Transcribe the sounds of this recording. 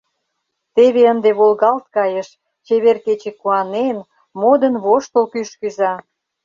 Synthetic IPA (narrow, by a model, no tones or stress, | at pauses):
t̪eβeənd̪eβolɣɑlt̪̚kɑjeʃ | t͡ɕeβerket͡ɕekuɑnen | mod̪ənβoʃt̪olkyʃkyzɑ